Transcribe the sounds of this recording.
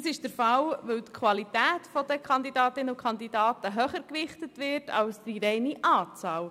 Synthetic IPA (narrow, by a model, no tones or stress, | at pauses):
sɪʃd̥əɾfɑlʋɵwt̪kʰʋɑlitæːtfɔd̪əkʰχɑnd̪idɑːt̪ɪnəukʰχɑnd̪idɑːtəɦœχəɾkʋɪχtətʋɪɾtʰɑ̰lsdiɾɛjniʔɑːt͡sɑːl